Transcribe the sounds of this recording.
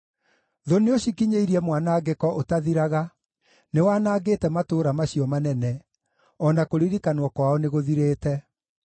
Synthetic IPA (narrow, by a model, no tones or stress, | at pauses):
ðoneoɕikiɲeiɾiɛmwanaɡekɔʔotaðiɾaɣa | newaːnaːɡeːtɛmatoːɾamaɕiɔmanɛnɛ | ɔnakoɾiɾikanwɔkwaɔneɣoðiɾeːtɛ